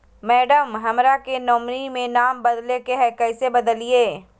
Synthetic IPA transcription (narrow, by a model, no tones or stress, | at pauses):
mɛːɖəmɦɐmɾakenɔːmɾimẽnaːmbɐd̪lekeɦɛːkɐɪsebɐd̪əlieː